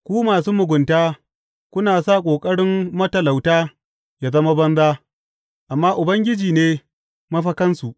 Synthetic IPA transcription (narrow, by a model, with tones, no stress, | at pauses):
kʷuː˦maː˨suː˦mʊ˨ɡʷʊ˨ntaː˦ | kʷʊ˦naː˨sa˦˨kʷʼoː˨kʼɐ˦ɽɪ˦mːɐ˦tɐ˨la˨wtaː˦ | jaː˨zɐ˦ma˦bɐ˦nzaː˦ | ʔa˨mːaː˦ʔʊ˨bɐ˦ŋɡʲɪ˦d͡ʒiː˨neː˦ | mɐ˦ɸɐ˦kɐ˦nsu˨ʔ